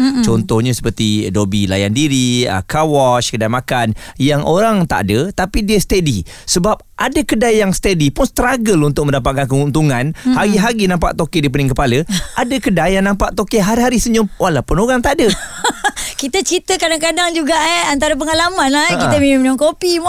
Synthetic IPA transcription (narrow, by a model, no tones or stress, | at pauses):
t͡ʃɔnt̪ɔhɲə̃sə̥pərt̪idobila̰ja̰ndiɾiə̰kawɔʃkədajmakanjaŋʔoɾaŋt̪a̰ʔadət̪apidiəst̪edi | səbap̚ʔadəkədajjaŋst̪edipʊnst̪ɾaɡəlunt̪ʊk̚mə̃ndapat̪̚kankəɦunt̪uŋanhaɡiɦaɡinãmpa̰ʔt̪okedip̬ənɪŋkəpaləʔadəkədajjaŋnãmpaʔt̪okeɦaɾiɦaɾisəɲʊmwalapʊnoɣaŋt̪aʔdə | kit̪ət͡ʃit̪əkadaŋkadaŋd͡ʒuɡaʔɛant̪aɾap̬əŋalamanlakit̪əmimumnãmkopim